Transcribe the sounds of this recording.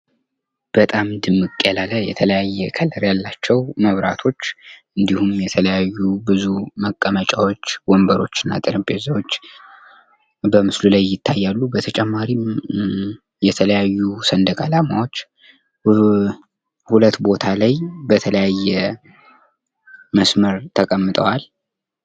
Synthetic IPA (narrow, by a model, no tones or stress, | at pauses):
b̥ət̪ʼamd̪ɨmːɨkʼːəlaləjɛ̰t̪ʰələjajːɛkʰələɾjalːat͡ʃːɛwməβɾa̰t̪ʰo̞t͡ʃːʔɨnd̪ihumjɛt̪ʰələjajːubɨzuməkʼːəmət͡ʃʼawot͡ʃːwombəɾo̞t͡ʃːɨnːa̰t̪ʼɨɾɨmpʼezawot͡ʃː | bəmɨslulajːɪt̪ʰːajːalːubət̪ʰət͡ʃʼɛmːaɾi | jɛt̪ʰələjajːusənd̪əkʼalamawo̞t͡ʃː | hulət̪ːbo̞t̪ʰalajbət̪ʰələjajːɛ | məsməɾt̪ʰəkʼəmːɨt̪ʼəwal